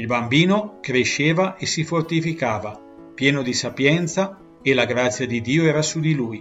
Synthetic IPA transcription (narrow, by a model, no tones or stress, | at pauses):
ilbambiːnokɾeʃːeːvaʔesifort̪ifikaːva | pjɛːnod̪isapjɛnt̪sa | elaɡɾat̪sːjad̪id̪iːoɛːɾasud̪iluːj